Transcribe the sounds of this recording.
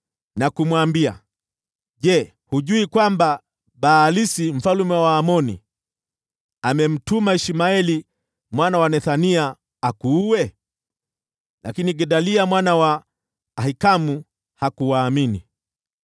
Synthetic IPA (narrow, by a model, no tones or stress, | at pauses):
nakumwambia̰ | ʄɛ | huʄuikwamba | ɓaːlisim̩falumɛwaːmɔnḭ | amɛm̩tumaiʃimaɛli | mwanawanɛθaniaː | kuːwɛ | lakiniɡɛɗaliamwanawaː | hikamu | hakuwaːminḭ